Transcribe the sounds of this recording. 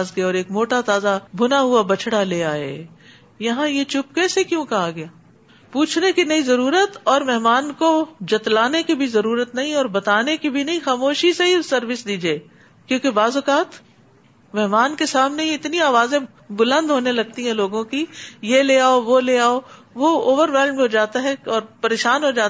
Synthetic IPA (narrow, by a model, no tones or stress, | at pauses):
zɡɐeɔːɾeːkmoːʈat̪aːzabʱʊnaɦʊabɐt͡ʃʰɽaleːaːḛː | jɐɦãjet͡ʃʊp̚kɛːsekjõːkɐɦaɡɐjaː | puːt͡ʃʰnekinɐizɐɾuːɾət̪ɔːɾmɛɦmaːnkod͡ʒɐt̪laːnekibʱizɐɾuːɾət̪nɐɦĩɔːɾbɐt̪aːnekibʱinɐɦĩxaːmoːʃiseɦisɐɾʋɪsd̪iːd͡ʒieː | kjõːkebaːzʊkaːt̪ | mɛɦmaːnkesaːmneiɪt̪niaːʋaːzẽ | bʊlə̃nd̪ʱɦoːnelɐɡ̚t̪iɦɛ̃loːɡõkijeleːaːoʋoleːaːo | ʋooːʋəɾʋɛːlmẽɦod͡ʒaːt̪aɦɛɔːɾpɐɾeːʃaːnɦod͡ʒaːt̪